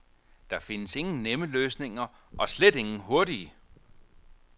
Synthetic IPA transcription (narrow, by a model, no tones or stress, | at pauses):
d̥ɑ̈fe̝nəse̝ŋn̩neməløːsne̝ŋɐʔɒ̽sled̥e̝ŋn̩ɦo̝ɐdiə